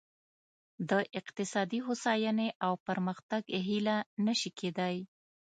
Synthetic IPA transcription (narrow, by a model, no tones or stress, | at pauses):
d̪əʔɪqt̪ɪsɑd̪iɦosɑjaneʔawpəɾməxt̪aɡɦilanəʃikʰed̪aj